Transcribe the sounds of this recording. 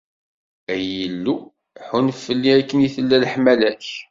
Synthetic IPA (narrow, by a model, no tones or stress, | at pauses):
æjəlːu | ħunfːəlːiækːənjiθəlːælħmælæç